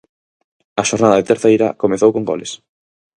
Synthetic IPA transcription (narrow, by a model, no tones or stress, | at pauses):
ɐʃoɾnaðɐðet̪eɾθejɾɐ̰komeθowkoŋɡɔ̰les